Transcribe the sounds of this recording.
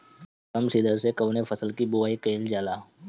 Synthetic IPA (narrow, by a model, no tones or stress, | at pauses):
kɐmsid̪əɾsekɐʋnefʰɐsəlkibʊʋaːikeːld͡ʒaːlaː